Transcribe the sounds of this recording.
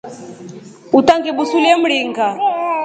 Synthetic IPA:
utʼaŋɡɛɓusuliɛm̩ɺiːŋɡa

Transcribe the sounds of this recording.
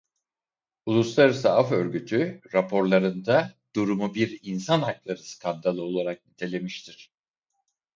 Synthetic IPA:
ulˠuslˠaɾɯsaafø̞ɾɟyt̪ʰyɾapʰo̞ɾlˠaɾɯnd̪ad̪̥uɾumubiɾinsanɦaklˠaɾɯsɨ̥kʰand̪alˠɯo̞lˠaɾak̚nit̪ʰe̞lʲe̞miʃt̪ʰiɾ̥

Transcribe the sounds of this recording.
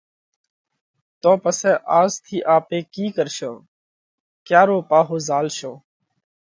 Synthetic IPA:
t̪õːpəsɛ̃ːʔaːzt̪ʰiːʔaːpeːkiːkəɾʃõː | kjaːɾoːpaːɦoːzaːlʃõː

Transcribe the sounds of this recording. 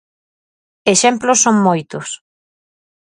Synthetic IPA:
eʃɛmplʊsːoŋmojt̪ʊs

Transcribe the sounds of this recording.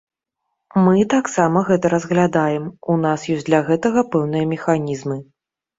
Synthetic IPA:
mɨt̪aksamɐɣɛt̪ɐɾɐzɣlʲad̪ajɛmunasjɔsʲd̪lʲɐɣɛt̪ɐɣɐpɛwnɨjɐmʲɛxanʲizmɨ

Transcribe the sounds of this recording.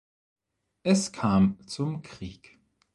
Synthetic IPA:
ʔɛskʰaːmt͡sʊmkʁ̥iːk

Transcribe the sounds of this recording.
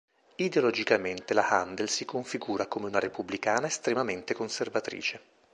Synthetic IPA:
id̪eolɔd͡ʒikament̪elahand̪elsikoɱfiɡuːɾakomeunaɾepubːlikaːnaest̪ɾemament̪ekonservat̪ɾḭːt͡ʃe

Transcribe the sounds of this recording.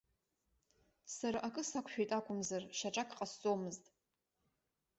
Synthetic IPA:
saɾaʔakʼɨsakʷʰʼʃᶣejtʼakʷʼʊmzarʃaʈ͡ʂʼakʰʼqʼast͡sʼomɨztʼ

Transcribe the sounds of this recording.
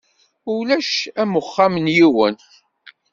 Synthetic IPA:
ʊlæʃæmʊχːamnjiwən

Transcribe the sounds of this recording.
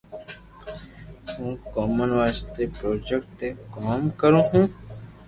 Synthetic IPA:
ɦũːkɔːmənʋaːst̪epɾoːd͡ʒekʈːekɔːmkəɾũːɦũː

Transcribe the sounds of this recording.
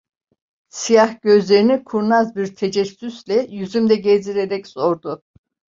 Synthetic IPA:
sijahɟ̥ø̞zlʲe̞ɾinikʰuɾnazbiɾt̪ʰed͡ʒɛsːyslʲɛjyzymd̪ɛɟeziɾeɾɛcz̥o̞ɾd̪ʊ

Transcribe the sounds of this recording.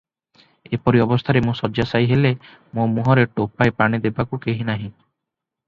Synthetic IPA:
epɔɾiɔbɔst̪ʰaɾemũsɔd͡ʒasajɦele | momuɦɔɾeʈopaepaɽ̃id̪ebakukeɦinaɦĩ

